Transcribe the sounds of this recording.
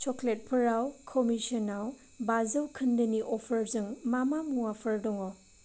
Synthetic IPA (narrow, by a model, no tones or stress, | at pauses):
t͡ʃoklet̚pʰɐɾawkʰomisɐnaw | bazɐwkʰɐndɐniʔɔpʰɐɾzɯŋmamamuapʰɐɾdɔŋɔ